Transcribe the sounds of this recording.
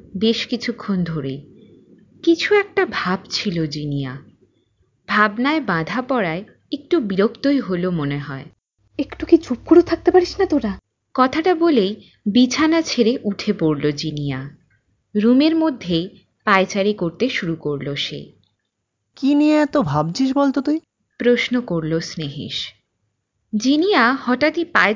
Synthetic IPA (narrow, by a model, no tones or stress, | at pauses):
beʃkit͡ɕʰukʰːond̪ʱoɾe | kit͡ɕʰuɛk̚ʈabʱabt͡ɕʰilod͡ʑinija | bʱabnaebãd̪ʱapɔɾae | ek̚ʈubiɾokt̪ojɦolomoneɦɔe | ekʈukit͡ɕup̚koɽet̪ʰak̚t̪epaɾiʃnat̪oɾa | kɔt̪ʰaʈabolej | bit͡ɕʰanat͡ɕʰeɾeʔuʈʰepoɾlod͡ʑinia | ɾumeɾmod̪ʱːej | paet͡ɕaɾikoɾt̪eʃuɾukoɾloʃḛj | kiniat̪obʱab̚t͡ɕʰiʃ̬bolt̪ot̪uj | pɾosnokoɾlosneɦḭʃ | d͡ʑinijahɔʈat̪ipae